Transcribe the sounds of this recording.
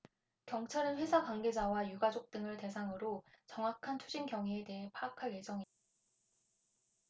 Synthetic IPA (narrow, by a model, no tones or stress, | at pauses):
kjʌŋt͡ɕʰaɾɯnɸwe̞sʰakaŋɡe̞d͡ʑawajuɡad͡ʑok̚t͈ɯŋɯɭte̞s̬ʰaŋɯɾot͡ɕʌŋɦwakʰantʰud͡ʑinɡjʌŋɦiete̞ɦenpʰaːkʰaɭje̞d͡ʑʌŋi